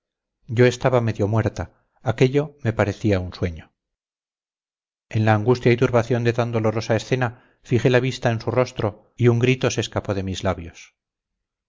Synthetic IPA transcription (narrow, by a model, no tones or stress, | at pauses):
ɟ͡ʝo̞e̞st̪aβame̞ðjo̞mwe̞ɾt̪aː | ke̞ʎo̞me̞paɾe̞θiaunswe̞ɲo̞ | e̞nlaːŋɡust̪jait̪uɾβaθjo̞nd̪e̞t̪and̪o̞lo̞ɾo̞saesθe̞na | fiχe̞laβ̞ist̪ae̞nsuro̞st̪ɾo̞ | iuŋɡɾit̪o̞seːskapo̞ð̞e̞mizlaβjo̞s